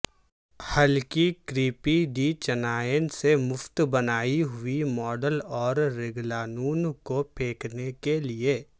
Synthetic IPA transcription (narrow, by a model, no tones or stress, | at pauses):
həlkikɾiːpiɖit͡ʃɐnaːjənsemʊft̪bɐnaːiɦʊimɔːɖəlɔːɾɾɪɡlaːnuːnkopʰeːknekelieː